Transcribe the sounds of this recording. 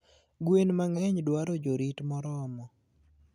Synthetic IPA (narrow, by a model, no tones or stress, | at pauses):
ɡwenmaŋɛɲdwaɾɔd͡ʒoɾitmɔɾɔmɔ